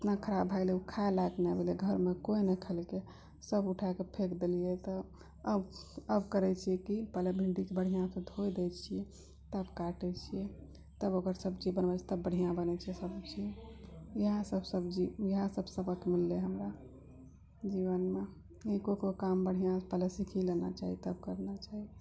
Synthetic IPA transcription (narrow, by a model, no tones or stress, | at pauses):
ət̪nakʰəɾabʱaɪleukʰaelaknɛbʱelɛɡʱəɾmekoinəkʰəlke | səbuʈʰakepʰekd̪elijɛt̪ɔ | əbəbkəɾɛt͡ʃʰiɛkipɛlebʱiɳɖikebəɽ̤ijãsəd̪ʱojd̪ɛt͡ʃʰijɛ | t̪əbkaʈɛt͡ʃʰijɛ | t̪əbokəɾsəbd͡ʒibənbat͡ʃʰɛ̥t̪əbəɽ̤ʱijãbənɛt͡ʃʰiɛsəbt͡ʃʰi | iɦãsəbsəbd͡ʒijiɦãsəbsəbəkemilːeɦəmɾa | d͡ʒiβənme | ikokokambəɽ̤ijãpɛlesikʰilena̰t͡ʃaɦit̪əb̚kəɾnat͡ʃaɦi